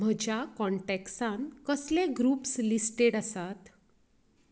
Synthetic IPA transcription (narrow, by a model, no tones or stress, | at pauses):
m̤əd͡ʑʱjakɔɳʈeksãnkəslẽɡɾuːpslisʈeɽəsat̪